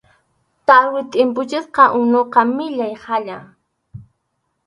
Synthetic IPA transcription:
t̪aɾwɪt̪ʼɪmp̬ʊt͡ʃɪsqɑʔʊnoqɑmɪʎajhaʎa

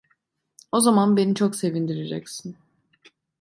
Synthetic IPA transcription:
o̞zamanbe̞nit͡ʃʰo̞kse̞vind̪iɾed͡ʒɛcsin

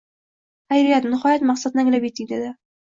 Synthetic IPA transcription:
hajɾɪjat̪nɪχɒjat̪mɑqsad̪̚naŋlabit̪ːɪd̪ed̪ɪ

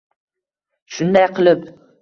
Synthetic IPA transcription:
ʃʊnd̪ajqʰɨlˠɪp

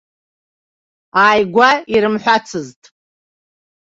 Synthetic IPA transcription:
aːjɡʷaiɾɨmħʷᶣat͡sʰɨztʼ

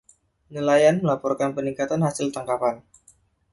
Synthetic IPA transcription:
nilajanməlapɔrkanpəniŋkat̪anhasɪlt̪aŋkapan

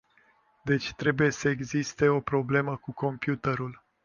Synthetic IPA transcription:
d̪e̞t͡ʃʲt̪ɾe̞buje̞səeɡzist̪e̞o̞pɾo̞ble̞məkuko̞mpjut̪əɾul

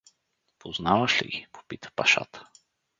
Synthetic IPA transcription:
pʰoznavəʃlḭɡipo̥pit̪ə̥paʃa̰t̪ə̥

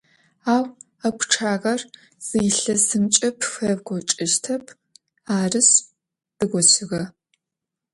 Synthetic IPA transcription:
aːw | ɐkʷʰʈ͡ʂʰaːʁɐr | z̥iːɬɐsɨmt͡ʃʼɐpʰfɐvɡʷɔt͡ʃʼɪʃtʰɐpʰ | aːrɨs | d̥ɨɡʷɔsɪʁɐ

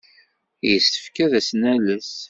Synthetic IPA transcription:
jəsə̥fkæðæsnæləs

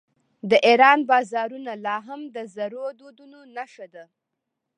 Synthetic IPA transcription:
d̪əʔeɾɑnbɑzɑɾunalɑɦamd̪əzaɾod̪od̪unonaʃad̪a

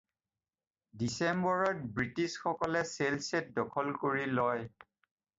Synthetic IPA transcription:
disembɔɹɔt̚bɹitisxɔkɔlɛselset̚dɔkʰɔlkoɹilɔj

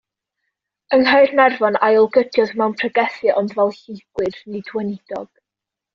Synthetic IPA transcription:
əŋɦajrnɛrvɔnajɔlˠɡədʰjɔðmɛwnpʰrəɡɛθjɨʔɔndvɛlˠɬiɡ̥wɨrnidwɛnɪd̥ɔ̰ɡ̥

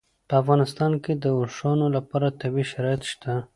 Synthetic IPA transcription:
pəafɣɑnɪst̪ɑnked̪əʊʂɑnolapɑɾat̪abiʃaɾɑjɪt̪ʃt̪a

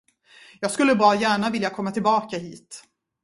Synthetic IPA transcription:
jɑːɡskɵlːəbɑːɾajæːɳavɪljakʰɔmːat̪ʰɪlbɑːkaɦiːt̪

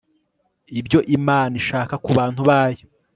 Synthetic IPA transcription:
ibɟo̞ʔimaːniʃaːkakuβaːn̥huβaːjo

